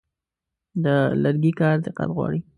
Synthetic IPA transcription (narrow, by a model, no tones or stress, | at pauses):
d̪əlaɾɡikɑɾd̪ɪqa̰t̪ɣwɑ̰ɽi